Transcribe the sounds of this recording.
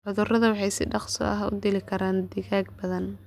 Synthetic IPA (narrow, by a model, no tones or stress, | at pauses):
ʕʊðʊrɐðɐwɑħɑjsɪ̰ɖɑqsɔ̰ɐ̰ɦɐʊ̰d̪ɪlɪkʰɐɾaːnd̪ɪɣaːɡbɐðɐn